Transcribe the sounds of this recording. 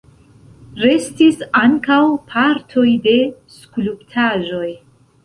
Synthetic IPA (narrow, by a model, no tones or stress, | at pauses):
ɾe̞stisaŋkawpʰaɾtʰo̞jde̞ | skuluptʰaʒo̞j